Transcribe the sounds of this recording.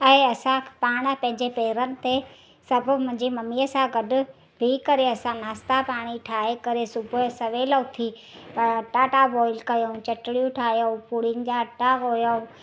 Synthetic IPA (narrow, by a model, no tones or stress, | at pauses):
ɐeɐsãpaːɽ̃pɐ̃ɦɪ̃ɲd͡ʑepeːɪɾənɪ̆t̪e | sɐbʱʊ̆mʊ̃ɦɪ̃ɲd͡ʑimɐmiːəsãɡɐɖʊ̆ | bʱikɐɾeɐsãnaːst̪apaːɽ̃iʈʰaːɦekɐɾesʊbʱʊsɐʋeːlot̪ʰi | pɐɽɐʈaʈabɔːɪlkɐjõt͡ɕɐʈɪɽijũʈʰaːɦijopuːɽ̤iənɪ̆d͡ʑaɐʈːaɦoːjo